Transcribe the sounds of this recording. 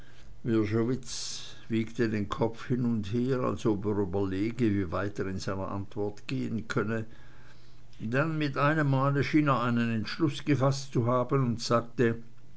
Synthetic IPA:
vɪɐʒovɪt͡s | v̥iːktədeːnkʰɔp͡fhɪnʊntheːʁa̰lsopeːʁyːbɐleːɡəviːvaɪteːʁɪnzaɪnɐʔa̰ntv̥ɔɐtɡ̥eːənkʰœnə | d̥anmɪtʔaɪnəmːaːləʃiːneːɐaɪnənɛntʃlʊsɡ̥əfastt͡suɦaːbənʊntz̥aːk̚tə

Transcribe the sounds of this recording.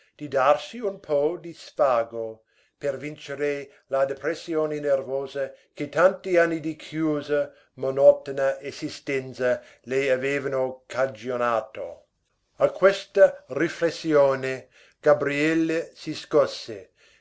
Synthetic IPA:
d̪̥id̪arsiunpʰɔd̪isfaːɡo | pervint͡ʃeɾe | lad̪epɾesːjoːnenervoːzɐket̪ant̪ianːid̪ikʰjuːzɐ | monɔt̪onɐʔesist̪ɛnt̪sɐ | lejaveːvɐnokʰad͡ʒionaːt̪o̰ | akʰwest̪ɐriflesːjoːne | ɡ̥abɾiɛlːesiskɔsːe

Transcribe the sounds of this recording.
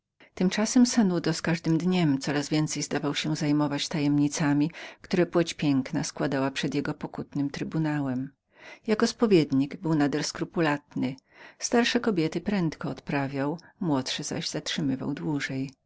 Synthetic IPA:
t̪ɘmt͡ʂasɛmsanud̪ɔskaʐd̪ɘmd̪ɲɛmt̪sɔɾazvʲjɛnt̪sɛjzd̪avawɕɛzajmɔvat͡ɕt̪ajɛmɲit̪samʲikt̪uɾɛpwɛt͡ɕpʲjɛŋknaskwad̪awapʂɛd̪jɛɡɔpɔkut̪nɘmt̪ɾɘbunawɛm | jakɔspɔvʲjɛd̪ɲiɡbɘwnad̪ɛɾskɾupulat̪nɘst̪aɾʂɛkɔbʲjɛt̪ɘpɾɛnt̪kɔːt̪pɾavʲjawmwɔtʂɛza̰ʑzatʂɘmɘva̰wd̪wuʐɛj

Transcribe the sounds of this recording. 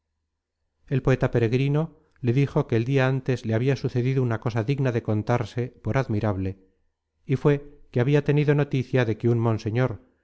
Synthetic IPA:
e̞lpo̞et̪ape̞ɾe̞ɣɾino̞ | le̞ðixo̞keːld̪iaant̪e̞zleaβiasuθe̞ðiðounako̞saðiɣnaðe̞ko̞nt̪aɾse̞po̞ɾaðmiɾaβle̞ | ifwe̞keaβiat̪e̞niðo̞no̞t̪iθjaðe̞keunmõ̞nse̞ɲo̞ɾ

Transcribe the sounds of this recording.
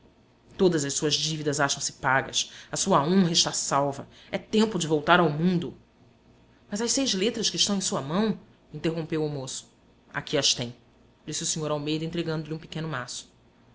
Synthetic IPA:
t̪od̪ɐzɐʃsuɐzd͡ʒivid̪ɐzaʃɐ̃w̃sɪ̥paɡɐ̰sɐsuɐõɦɐɪʃt̪asawvɐ̰ | ɛt̪ẽmpʊd͡ʒɪvowt̪aɾawmũnd̪ʊ | mɐzɐʃsejzlet̪ɾɐʃkɪʃt̪ɐ̃w̃ẽj̃suɐmɐ̃w̃ | ĩnt̪eɦõpewʊmosʊ̥ | a̰kiɐst̪ẽj̃ | d͡ʒisɪusĩɲoɾawmejd̪ɐẽt̪ɾeɡɐ̃nd̪ʊlʲiũpikẽnʊmasʊ̥

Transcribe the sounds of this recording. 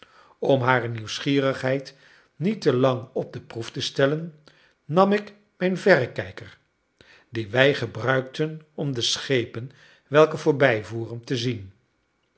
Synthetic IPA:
ɔmɦaːrəniwsχiːrəχɦɛjt | nitəlɑŋɔb̚dəpruftəstɛlənː | ɑmɪk | mɛjnvɛrəkɛjkər | diʋɛjχəbrœɥktənɔmdəsχejpən | ʋɛlˠkəvʊːɹbɛjvuːrəntəzin

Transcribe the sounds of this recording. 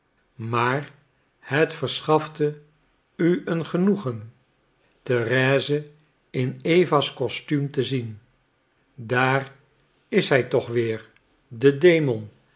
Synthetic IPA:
maːr | hətfəɹsχɑftə | yənχənuχən | tərɛːzə | ɪnejvaskɔstymtəzin | daːr | ɪsɦɛjtɔχʋɪːɹ | dədejmɔn

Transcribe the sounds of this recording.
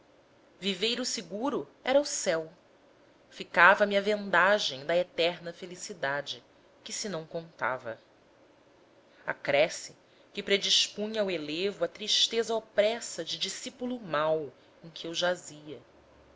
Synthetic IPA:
vivejɾʊsɪɡuɾʊ | ɛɾɐusɛw | fikavɐmiɐvẽnd̪aʒẽj̃d̪ɐet̪ɛɾnɐfelisid̪ad͡ʒɪ | kɪsɪnɐ̃w̃kõnt̪a̰vɐ | a̰kɾɛsɪ | kɪpɾed͡ʒiʃpũɲawelevʊɐt̪ɾiʃt̪ezɐopɾɛsɐd͡ʒɪd͡ʒisipulumaw | ẽj̃kʲʰiewʒaziɐ

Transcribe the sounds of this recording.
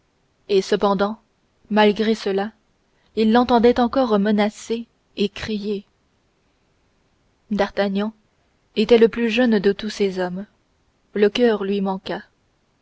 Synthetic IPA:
esəpɑ̃d̪ɑ̃ | malɡʁesəla | ilːɑ̃t̪ɑ̃d̪ɛt̪ɑ̃kɔʁmənase | ekχije | d̪aʁt̪aɲɑ̃ | et̪ɛləplyʒœnd̪ət̪usezɔm | ləkʲœʁlɥimɑ̃ka

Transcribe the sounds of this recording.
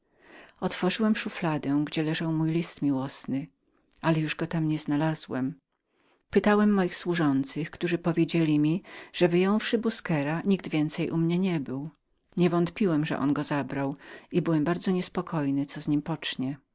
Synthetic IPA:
ɔt̪fɔʐɘwɛmʂuflad̪ɛ̃ɡd͡ʑɛlɛʐawmujlʲist̪mʲiwɔsnɘ | alɛjuʐɡɔt̪amɲɛznalaz̥wɛm | pɘt̪awɛmːɔjixswuʐɔnt̪sɘxkt̪uʐɘpɔvʲjed͡ʑelʲimʲiʐ̥ɛvɘjɔ̃w̃fʂɘbuskɛɾaɲiɡ̚d̪vʲjɛnt̪sɛjʔumɲɛɲɛbɘw | ɲɛvɔnt̪pʲiwɛmʐɛ̰ʔɔ̰nɡɔzabɾawibɘwɛmbaɾd̪zɔɲɛspɔkʰɔjnɘt̪sɔzɲimpɔt͡ʂɲɛ

